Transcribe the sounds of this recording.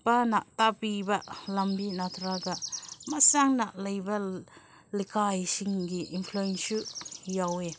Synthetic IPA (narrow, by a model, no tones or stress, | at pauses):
panaʔtapibɐlɐmbinat̪ʰɾaɡɐmɐsaŋnaʔlɐjbɐ | likʰajsiŋɡiinpʰluensujawe